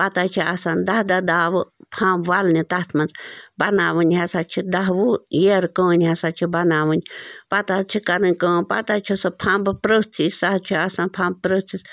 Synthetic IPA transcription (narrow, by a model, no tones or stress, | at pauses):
pat̪at͡ʃʰiasãnd̪ahd̪ad̪awɨpʰãwalnit̪at̪ʰmant͡sbanãwɨnʲhasat͡ʃʰid̪aɦwujeɾkə̃ːnʲhasat͡ʃʰibanãwɨnpat̪at͡ʃʰikaɾɨ̃kə̃pat̪at͡ʃʰusəpʰãmbɨpɾət͡sʰisaht͡ʃʰiasãpʰãmb̚pɾət͡sis